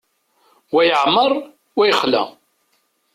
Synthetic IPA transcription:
wæjəʕməɾˤ | wæjəχlæ̰

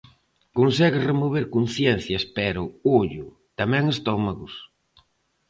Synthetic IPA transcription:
konsɛɣɪsremoβ̞eɾkon̟θjɛn̟θjɐspɛɾʊoʎʊ | t̪amɛ̃ŋest̪ɔmaɣʊs

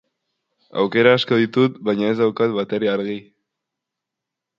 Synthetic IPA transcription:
a̰wke̞ɾaːsko̞ðit̪ut̪̚bajɲae̞zðawkat̪βat̪eɾiaɾɣi

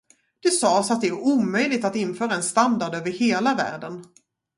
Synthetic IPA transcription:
d̪̥ɛsɑːsat̪̚d̪ɛæɾuːmœjlɪt̪at̪ɪnːfœːɾaɛnst̪and̪aɖøːvəɾheːlavæ̰ːɖən

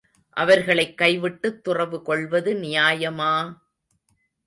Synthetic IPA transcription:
ʔɐʋɐɾɣɐɭɐɪkːɐɪʋɪʈːɯt̪ːʊrɐʋɯkɔɭʋɐðɯnɪjaːjɐmaː

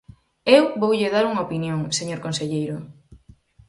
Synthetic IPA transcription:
ewβowʎeðaɾuŋɐopinjoŋseɲoɾkonseʎejɾʊ

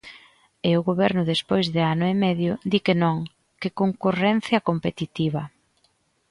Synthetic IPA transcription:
eʊɣoβɛɾnʊðespojzðɪanʊemɛðjʊd̪ikenõŋ | kɪkoŋkurɛn̟θjɐkompet̪it̪iβɐ

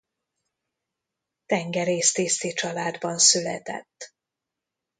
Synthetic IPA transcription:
t̪ɛŋɡɛɾeːst̪eːst̪it͡ʃɒlaːd̪bɒnsylɛ̰t̪ɛ̰t̪ː

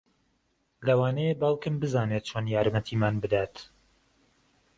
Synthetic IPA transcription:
lɐwaːnɛjebɑlˠkɨmbɨzaːneːt̪̚t͡ʃʰoːnjaːɾmɐt̪ʰiːmaːnbɨd̪aːt̪

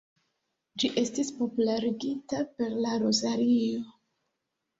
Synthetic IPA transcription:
d͡ʒiʔe̞stispo̞pulaɾiɡitape̞ɾlaɾo̞zaɾio̞

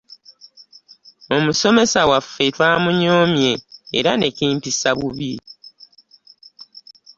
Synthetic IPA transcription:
o̞muso̞me̞sawafetwaːmuɲo̞ːmje̞̰ːɾane̞kiːmpisaβuβi

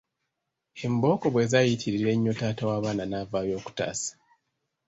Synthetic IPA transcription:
e̞mbo̞ːko̞βwe̞ːzajitʰiɾiiɾe̞ɲːo̞taːtawaːβaːnanaːvaːjo̞ːku̥ta̰ːsḁ

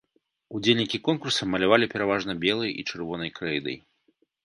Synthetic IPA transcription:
ud͡zʲelʲnʲikʲikɔnkursɐmɐlʲavalʲipʲɛɾavaʐnɐbʲɛlˠɐjḭt͡ʂɨrvɔnɐjkɾɛjd̪ɐ̰j

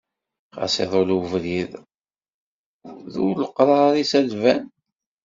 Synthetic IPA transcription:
χɑ̰sḛðˤoluvɾið | ðuləqːɾˤɑɾisælvæn

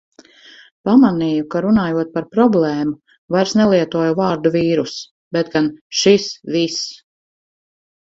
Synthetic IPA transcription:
pamaniːjukaɾunaːjuɔt̪̚paɾpɾɔblˠɛːmu | vajɾsnɛlˠiɛt̪uɔjuvaːɾd̪uviːɾus | bet̪ɡanʃisvis

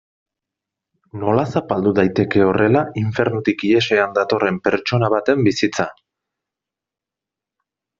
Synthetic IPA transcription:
no̞lasapald̪uðajt̪e̞ke̞o̞re̞laiɱfe̞ɾnut̪ikie̞se̞and̪at̪o̞re̞mpe̞ɾt͡ʃo̞naβat̪e̞mbisit͡sa

